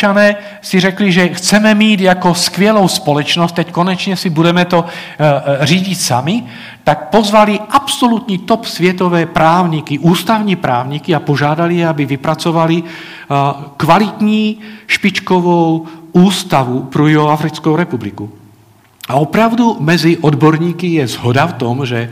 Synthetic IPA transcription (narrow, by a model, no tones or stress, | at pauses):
anɛː | siɾɛkliʒɛxt͡sɛmɛmiːd̪akɔskʋɪɛlɔʊspɔlɛt͡ʃnɔsck̪ɛckɔɲɛt͡ʃɲɛsibudɛmɛt̪ɔ | riɟicsami | t̪ak̚pɔzʋaliʔapsɔlut̪ɲiːt̪ɔpsʋɪɛt̪ɔʋɛːpɾaːʊɲikiʔuːst̪aʊɲipɾa̰ːʊɲikiapɔʒad̪alijɛabiʋipɾat͡sɔʋali | kʋalit̪ɲiːʃpit͡ʃkɔʋɔʊuːst̪aʋupɾuiɦɔafɾit͡skɔʊɾɛpubliku | aɔpɾaʊd̪umɛd͡ziʔɔd̪bɔɾɲiːkijɛzɦɔd̪aft̪ɔmʒɛ